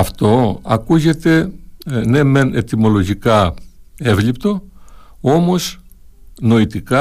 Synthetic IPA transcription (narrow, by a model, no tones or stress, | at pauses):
ɐft̪o̞ɐkuʝe̞t̪e̞ne̞mene̞t̪imo̞lo̞ʝikɐ | e̞vlipt̪o̞ | o̞mo̞s | no̞it̪ikɐ